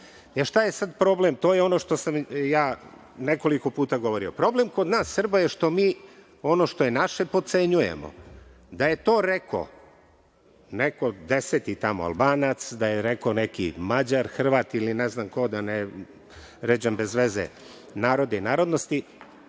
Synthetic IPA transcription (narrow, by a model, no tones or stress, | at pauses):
eʃt̪ajesad̪pɾo̞blemt̪o̞ːjeo̞no̞ʃt̪o̞samjaː | neko̞liko̞puːt̪aɡoʋo̞ɾio̞pɾo̞ble̞mkod̪naːsːr̩bajeʃt̪o̞miː | o̞no̞ʃt̪o̞jenaʃe̞po̞t̪se̞ɲujḛmo̰ | d̪aje̞t̪o̞ːɾekʰo̰ | neko̞d̪eset̪it̪amoa̰lˠbaːnat̪sd̪ajeɾekonekḭmad͡ʑaɾxr̩ʋaːt̪ilineznamko̞d̪ane | ɾed͡ʑambe̞zʋezḛ | naːɾo̞d̪einaːɾo̞d̪nost̪i